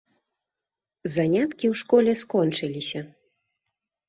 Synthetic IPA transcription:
zanʲat̪kʲiwʂkɔlʲɛskɔnt͡ʂɨlʲisʲɐ

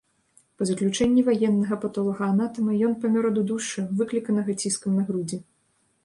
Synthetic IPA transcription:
pɐzɐklʲut͡ʂɛnʲːivajɛnːɐɣɐpɐt̪ɔlˠɔɣɐanat̪ɐmɨjɔnpɐmʲɔɾɔd̪ud̪uʂɨvɨklʲikɐnɐɣɐt͡sʲiskɐmnɐɣɾud͡zʲɛ

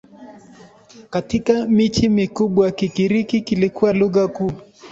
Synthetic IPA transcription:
katikamit͡ʃimikuɓwakikiɾikikilikuwaluɣakuː

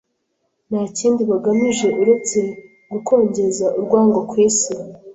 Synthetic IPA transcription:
nhaːciːndiβaɡamiʒe̞ʔuɾe̞t͡se̞ | ɡukʰo̞ːɲɟe̞zaʔuɾɡwaːŋɡokwiːsi

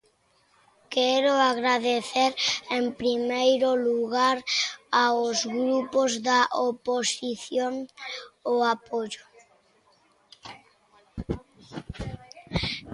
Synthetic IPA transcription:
kɛɾoaɣɾaðeθeɾempɾimejɾoluɣaɾaozɣɾupozðaʔoposiθjoŋ | oapoʎo

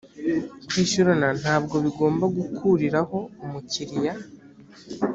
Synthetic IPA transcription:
kwiːʃuɾanan̥haːb̚ɡo̞βiɡo̞ːmbaɡukʰuɾiɾaho̞umuciɾija

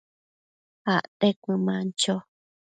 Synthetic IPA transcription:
aʔt̪ekʷɨ̃mãnt͡ʃo

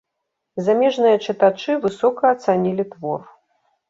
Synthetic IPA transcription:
zamʲɛʐnɨjɐt͡ʂɨt̪at͡ʂɨvɨsɔkɐːt̪sanʲilʲit̪vɔr

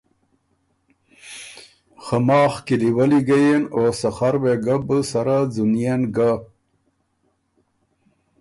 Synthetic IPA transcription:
xamɑːxkiliwaliɡajenosaxaɾweɡabəsaɾad͡zunjenɡa

